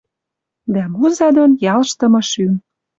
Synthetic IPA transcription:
d̪æmuzɑd̪onjɑlʃt̪ɤ̆mɤ̆ʃym

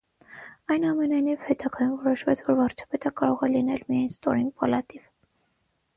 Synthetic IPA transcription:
ɑjnɑmɛnɑjnivhɛt̪ɑɡɑjumvɔɾɔʃvɛt͡sʰvɔɾvɑɾt͡ʃʰɑ̥pɛt̪əkɑɾɔʁɛlinɛlmijɑjnst̪ɔɾinɡpɑlɑt̪iv̥

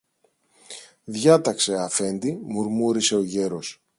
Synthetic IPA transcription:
ðʝɐt̪ɐkse̞ɐfe̞nd̪imuɾmuɾise̞o̞ʝe̞ɾo̞s

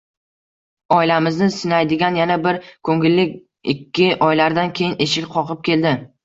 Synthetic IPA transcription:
ɒɪlamɪznɪsɪnajd̪ɪɡʲanjanabɪɾkʰɵŋɪlːɪkʲ | ɪkʲʰːɪʔɒjlaɾd̪ankʲʰe̞jɪnʔe̞ʃɪkʲqʰɒqɨp̚kʲʰe̞ld̪ɪ

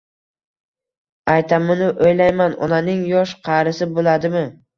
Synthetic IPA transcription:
ajt̪ʰamɪnɪʔojlajmanɒ̰nanɪŋjɒʃqʰɑɾɪsɪbolad̪ɪmɪ

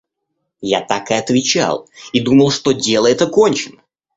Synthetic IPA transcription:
ja̰t̪akɨɐt̪vʲɪt͡ɕa̰lˠid̪uməlˠʂt̪odʲe̞lˠəɛt̪əkonʲt͡ɕɪnə

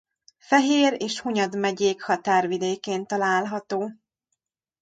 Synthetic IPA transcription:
fɛɦeːɾeːʃhuɲɒd̪mɛɟeːkhɒt̪aːrvid̪eːkeːnt̪ɒlaːlɦɒt̪oː

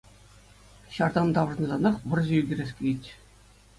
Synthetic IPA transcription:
ɕɑrd̪ɑnd̪ɑʋɤ̆ʐnɤ̆zɑnɑχʋɤ̆rʑĕyɡʲĕrʲesʲkʲeitʲ

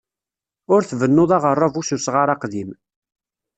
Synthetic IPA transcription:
ʊɾθvənːʊðˤɑʁərˤːɑvususʁaɾɑqðim

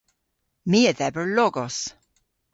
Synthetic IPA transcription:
miːəðɛvəɹlɔɡɔs

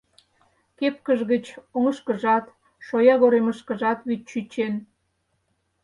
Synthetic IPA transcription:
kepkəʒɣət͡ɕoŋəʃkəʒɑt̪ | ʃojɑɣoɾeməʃkəʒɑt̪βit̪̚ʃyt͡ɕen

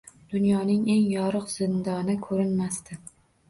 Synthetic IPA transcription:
d̪̥ʊnjɒnɪŋe̞ŋjɒɾɨqz̥ɪnd̪ɒnɪkʰɵɾɪnmast̪ɪ

